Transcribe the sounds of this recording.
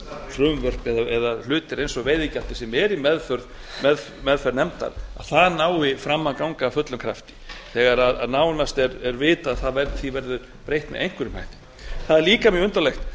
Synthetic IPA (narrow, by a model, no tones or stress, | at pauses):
fɾʏmvœr̥pɛðaɛðal̥ʏːt̪ɪɾejnsɔɣveːjðɪcal̥t̪ɪ̥sɛmɛɾimɛðfʏɾð | mɛðfmɛðfɛɾnɛmt̪a̰ɾa̰ð̥θaðnaːwɪfɾamːakawŋkafœt̪lʏmkʰɾa̰ft̪ɪ̥θɛːɣaɾaða̰ðnaːwnast̪ɛɾɛɾvɪːt̪aðθaðvɛɾðθivɛɾðʏɾ | pɾejht̪mɛ̰ðejŋ̥kvʏɾɪma̰jht̪ɪ̥ | θaðliːkamjɛʏnt̪alɛxt̪